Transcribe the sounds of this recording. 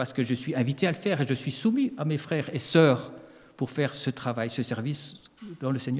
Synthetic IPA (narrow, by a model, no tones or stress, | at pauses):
aʁsə̥kəʒəsɥiɛ̃vit̪ealəfɛːʁeʒəsɥisumiamefχɛːʁesœːʁ | puʁfɛʁsət̪χavajsəsɛʁvisd̪ɑ̃ləsɛɲ